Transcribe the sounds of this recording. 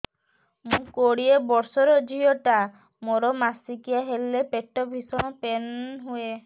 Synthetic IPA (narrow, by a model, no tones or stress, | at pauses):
mũkoɽiebɔɾsɔɾɔd͡ʒʱiɔʈa | moɾɔmasikiaɦelːepeʈːɔbʱisɔɽ̃ɔ̃penɦue